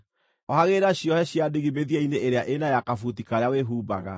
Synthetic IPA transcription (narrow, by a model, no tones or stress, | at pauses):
ɔhaɣeɾaɕjɔhɛɕjadiɣimeðiaineʔeɾeaʔenajakafut̬ikaɾeaweɦuːba̰ɣa̰